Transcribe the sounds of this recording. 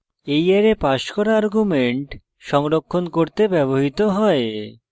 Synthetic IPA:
ejaɾepaʃkɔɾaaɾɡumeɳʈ | ʃɔŋɾokʰːonkoɾt̪ebɛβoɦit̪oɦɔe

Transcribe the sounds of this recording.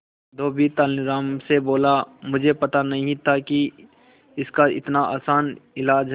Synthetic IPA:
d̪oːbit̪aːlɾaːmseboːlamʊd͡ʒʱepɐt̪anɐɦĩt̪ʰaki | ɪskaɪ̰t̪naʔa̰ːsaːnɪlaːd͡ʒɦ

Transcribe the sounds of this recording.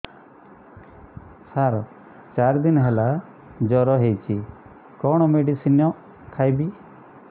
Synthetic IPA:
saɾɔ | t͡ʃaɾd̪inɦɛla | d͡ʒɔɾɔɦejt͡ʃʰi | kɔɽ̃ɔmeɖisinɔ | kʰajbi

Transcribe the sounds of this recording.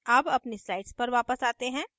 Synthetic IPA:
aːbɐpnesɾaːɪʈspɐɾʋaːpəsaːt̪eɦɛ̃ː

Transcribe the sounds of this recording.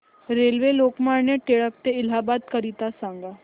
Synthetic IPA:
ɾelʋelokmaɾɳeʈeɭək̚t̪eilɦabat̪kəɾit̪asãŋɡa

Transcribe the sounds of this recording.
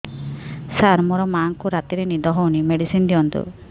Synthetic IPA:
saɾmɔɾɔmaːŋkuɾat̪iɾenid̪ɔɦɔunimeɽisind̪iɔnd̪ṵ

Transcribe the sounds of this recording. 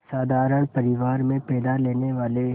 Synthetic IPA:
saːd̪ʱaːɾəɳ̃pəɾɪʋaːɾmẽpɛːd̪aleːneʋaːle

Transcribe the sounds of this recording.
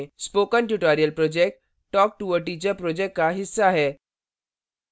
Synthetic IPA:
spokənʈjuʈɔɾijəlpɾod͡ʑek̚ʈ | ʈɔk̚ʈuʋəɾʈit͡ɕəpɾod͡ʑekʈ̚kaɦisːaɦɛ

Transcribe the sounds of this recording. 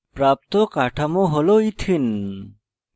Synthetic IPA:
pɾaːp̚t̪okaːʈʰɐmoɦoloit̪ʰin

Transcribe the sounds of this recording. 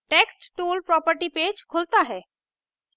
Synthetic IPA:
ʈeksʈʈulpɾɔpəɾʈiped͡ʒkʰolt̪aɦɛː

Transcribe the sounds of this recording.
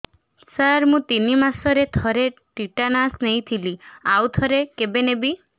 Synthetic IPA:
saɾmũt̪inimasɔɾet̪ʰɔɾeʈiʈanasnej̃t̪ʰiliawt̪ʰɔɾekebenebi

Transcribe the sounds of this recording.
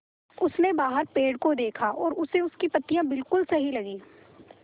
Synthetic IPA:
ʊsnebaːɦəɾpeːɽkod̪eːkʰaʔɔːɾʊseʊskipɐt̪ːijãbɪlkʊlsɐɦilɐɡiː

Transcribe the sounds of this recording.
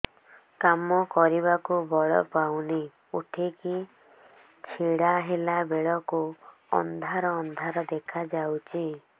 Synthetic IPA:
kamɔkɔɾiβakubɔɭɔ̰pawni | uʈʰiki | t͡ʃʰiɽaɦelabeɭɔku | ɔ̰nd̪ʱaɾɔːnd̪ʱaɾɔd̪ekʰad͡ʒawt͡ʃʰi

